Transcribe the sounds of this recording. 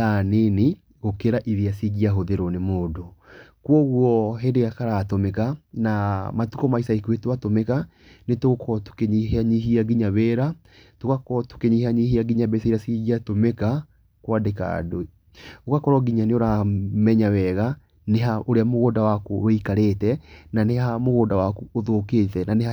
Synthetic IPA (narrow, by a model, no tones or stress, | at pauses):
anene | ɣokeɾaʔiðiasiɣiaɦoðeɾɔnemoːdokwɔɣwɔɦɛndeɣakaɾaːtomɛkanamatukɔmaisaikuetowatomɛka | netoɣokʰɔtu̥keɲiɦeaɲiɦiaɡiɲaβɛɾa | toɣakɔtu̥keɲihaɲihiaɡiɲabɛseiɾasiɣiatomeka | kwadeka̰doi | okakɔɾwɔɡiɲaneoɾamɛɲawɛɣa | neɦaoɾeamoɣoːdawakowɛikaɾetɛnaneɦamoɣoːndawakuoðokeːtɛnanea